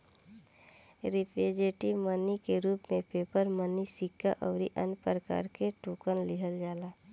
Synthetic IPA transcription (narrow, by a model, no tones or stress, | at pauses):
ɾɪpeːd͡ʒeːʈimənikeɾuːpmẽpeːpəɾmənisɪkːaʔɔːɾiʔənpɾəka̰ːɾkeʈuːkənlɪɦəld͡ʒaːlaː